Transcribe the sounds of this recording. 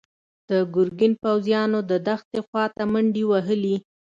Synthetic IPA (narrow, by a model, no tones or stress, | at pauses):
d̪̥əɡʊɾɡinpawzjɑnod̪əd̪axt̪exwɑt̪aməɳɖiwaɦəli